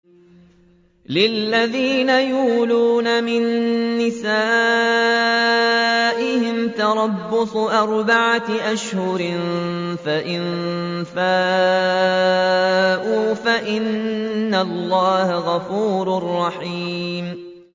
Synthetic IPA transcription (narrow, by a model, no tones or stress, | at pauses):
lɪlːaðiːnajuːluːnamɪnːɪsaː | ʔɪhɪmt̪ɑɾˤɑbːʊsˤʔɑɾˤbaʕaʔaʃhʊɾɪ | faʔɪn | faː | ʔuːfaʔɪnːalˤːɑːhaɣɑfuːɾrˤːɑħiːm